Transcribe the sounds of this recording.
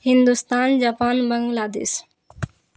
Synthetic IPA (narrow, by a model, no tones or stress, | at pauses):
hɪnd̪ust̪aːnd͡ʑaːpaːnbəŋɡlaːd̪ḛːs